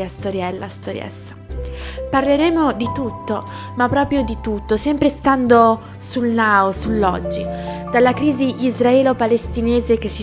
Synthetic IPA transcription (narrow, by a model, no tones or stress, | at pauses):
ast̪oɾjɛlːa̰st̪oɾj̰ɛ̰sːḁ | parleɾɛːmod̪it̪ut̪ːo | mapːɾɔːpɾjod̪it̪ut̪ːosɛmpɾest̪and̪o | sulnaːosulːɔ̰d͡ʒːid̪̥alːakɾiːziʔizraɛːlopalest̪ineːzek̟esːi